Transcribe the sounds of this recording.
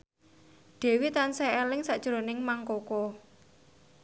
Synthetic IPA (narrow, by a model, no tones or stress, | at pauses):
ɖ̪̥ɛ̤wit̪ansɛelɪŋsaʔd̥ʒ̥ɾo̤nɪŋmaŋkoko